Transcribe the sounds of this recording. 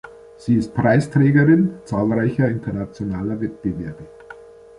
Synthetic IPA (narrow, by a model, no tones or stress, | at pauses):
z̥iːɪst̚pʁ̥aɪstʁ̥ɛːɡɐʁɪnt͡saːlʁaɪçɐɪntɐnat͡sjonaːlɐvɛt̚b̥evɛɐbɪ